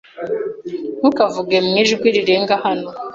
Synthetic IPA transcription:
nukavuɡemŋiʒɡwiɾiɾeːŋɡahano

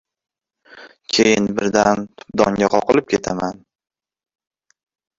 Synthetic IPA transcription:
kʲʰejɪnbɪɾd̪ant̪ʰʊ̥p̚d̪ɒŋɡʲaqʰɒqɨlɪp̚kʲʰe̞t̪ʰaman

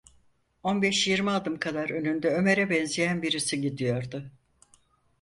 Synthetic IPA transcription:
o̞nbɛʃjiɾmialˠd̪ɯmkʰad̪aɾø̞nynd̪ɛøme̞ɾɛbɛnzijænbiɾisiɟid̪ijo̞ɾd̪ʊ

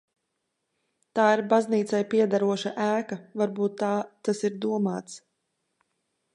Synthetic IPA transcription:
t̪aːiɾbazniːt̪sajpiɛd̪aɾuɔʃaʔæːkavaɾbuːt̪ːaːt̪asiɾd̪uɔmaːt̪s

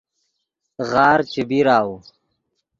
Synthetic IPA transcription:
ɣaːɾt͡ɕibiɾaːwu

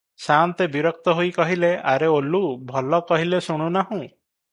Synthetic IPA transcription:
sant̪ebiɾɔk̚t̪ɔɦojkɔɦileʔaɾeolubʱɔlɔkɔɦilesuɽ̃unaɦũ

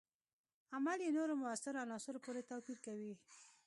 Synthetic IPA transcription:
amaljenoɾomʊasɪɾoanɑsʊɾopoɾet̪ɑpiɾkawi

